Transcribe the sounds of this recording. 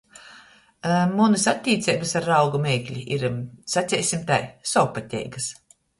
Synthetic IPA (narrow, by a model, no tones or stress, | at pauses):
munɨsat̪ʲːiːt̪sɛjbɨsaɾːawɡumʲɛːklʲiiɾsat̪sʲɛːjsʲimt̪ajsawpat̪ʲɛ̰jɡas